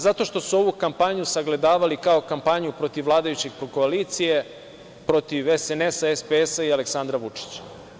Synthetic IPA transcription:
zat̪o̞ʃt̪o̞suo̞ʋukampaɲusaɡle̞d̪aːʋalikao̞kampaɲupɾo̞t̪iʋlˠaːd̪ajut͡ɕeɡ̚pɾoko̞aliːt̪sije | pɾo̞t̪iʋesenesaespeesaialeksand̪ɾaʋut͡ʂi̥t͡ɕḁ

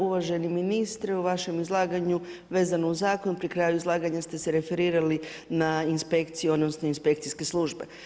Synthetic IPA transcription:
uʋaʒe̞niminist̪ɾeuʋaʃe̞mizlˠaːɡaɲuʋe̞ːzanouzaːko̞nupɾikɾaːjuizlˠaːɡaɲast̪e̞seɾe̞fe̞ɾiːɾalinainspe̞kt̪sijuo̞d̪nosno̞inspe̞k̚t̪iskeslˠuʒbe̞̰

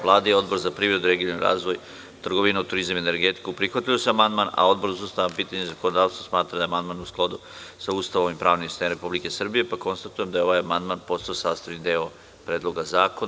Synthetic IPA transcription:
ʋlˠaːd̪ajeo̞d̪bo̞ɾzapɾiːʋɾe̞d̪uɾeɡiniɾa̰ːzʋo̞j | t̪r̩ɡoʋinaut̪uɾizamiene̞ɾɡe̞t̪i̥kupɾixʋat̪iloseamand̪maːna̰o̞d̪boɾzost̪aːampiːt̪aɲezako̞nod̪aːʋst̪osmaːt̪ɾad̪aeamand̪maːnusklˠad̪u | sauːst̪aʋomʋimpɾaːʋnimst̪anɾe̞publike̞sr̩bije̞pako̞nst̪at̪ujemd̪ajeo̞ʋaːjamand̪maːnpo̞st̪ajosaːst̪aʋnid̪eːo | pɾeːd̪lˠo̞ɡazaːkon

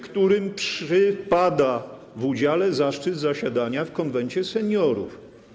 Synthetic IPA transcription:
kt̪uɾɘmpʂɘpad̪a | vud͡ʑalɛzaʂt͡ʂɘd̪zaɕad̪aɲafkɔnvɛnt͡ɕɛsɛɲɔɾṵf

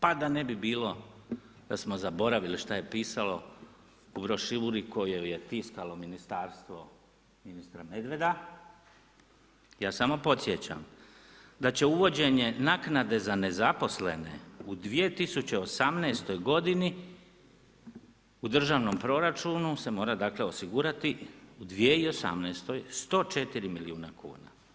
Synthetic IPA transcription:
pad̪ane̞bibiːlo̞ | d̪̥asmo̞zabo̞ɾaʋiliʃt̪aje̞piːsalo̞ | ubɾo̞ʃiʋuɾiko̞joje̞t̪iskalo̞minist̪aːɾst̪ʋo̞ | minist̪ɾame̞d̪ʋe̞d̪a | jaːsamo̞po̞t̪sje̞t͡ɕa̰m | d̪at͡ɕe̞uʋo̞d͡ʑe̞ɲe̞naːknad̪e̞zane̞zapo̞sle̞̰ne̞̰ud̪ʋije̞t̪isut͡ɕe̞o̞samnest̪o̞jɡo̞d̪ini | ud̪r̩ʒaʋno̞mpɾo̞ɾat͡ʃunuse̞mo̞ːɾad̪akle̞o̞siɡuːɾat̪iud̪ʋie̞io̞sa̰mnɛːst̪o̞jst̪o̞ːt͡ʃe̞t̪iɾimiliuːnakʰṵːna̰

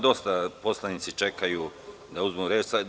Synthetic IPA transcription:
d̪o̞st̪apo̞slˠanit̪sit͡ʃe̞kajuː | d̪auzmuɾe̞ːt͡ʃsa

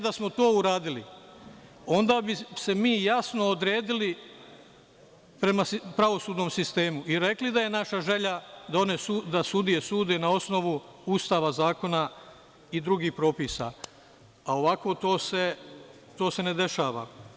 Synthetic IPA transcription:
d̪asmo̞t̪o̞ːuɾaːd̪ili | o̞nd̪aːbise̞miːjasno̞ːd̪ɾe̞ːd̪ili | pɾe̞maspɾaʋo̞suːd̪no̞ːmsist̪e̞ːmuiɾe̞klid̪aje̞naʃaʒe̞ʎad̪ao̞neud̪asud̪ije̞suːd̪enao̞sno̞ʋuust̪aːʋazaːko̞na | id̪ɾuɡiːhpɾo̞ːpiːsa̰ | ao̞ʋako̞ːt̪oːse | t̪o̞ːse̞ned̪e̞ʃaːʋa̰

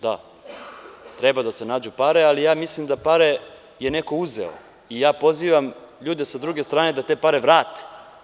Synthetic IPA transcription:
d̪a̰ | t̪ɾebad̪ase̞naːd͡ʑupaɾealijaːmislimd̪apaɾe | jene̞ko̞uzḛo̰ | ijaːpo̞ziːʋamʎuːd̪esad̪ɾuɡe̞st̪ɾaːne̞d̪at̪e̞ːpaɾe̞ʋɾaːt̪e̥

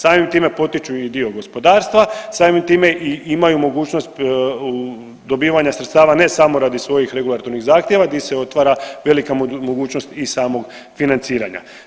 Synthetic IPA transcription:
saːmimt̪iːme̞po̞t̪it͡ʃuid̪io̞ɡo̞spo̞d̪aːɾst̪ʋasaːmimt̪iːmeʔiimajumo̞ɡuːt͡ʃno̞st̪ | d̪o̞biːʋaɲasɾet̪st̪aːʋane̞samo̞ɾaːd̪isʋo̞jixɾe̞ɡulˠat̪o̞ɾniɣzaːxt̪je̞ʋad̪iseo̞t̪ʋaɾaʋe̞likamoɡuːt͡ɕnost̪isaːmo̞ɡ | finant̪siːɾa̰ɲa̰

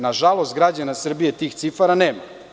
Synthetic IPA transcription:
naʒalˠost̪ɡɾad͡ʑanasr̩bije̞t̪iːxt̪sifaɾaneːma

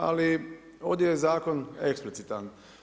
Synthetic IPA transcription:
a̰li | o̞d̪jejezaːko̞neksplit̪sit̪an

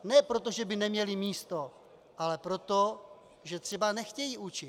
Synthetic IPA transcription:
nɛpɾot̪o̞ʒɛbɪnɛmɲɛlɪmiːst̪o̞ | ʔalɛpɾo̞t̪o | ʒɛt̪r̥ɛbanɛxcɛjiʔut͡ʃɪt̪

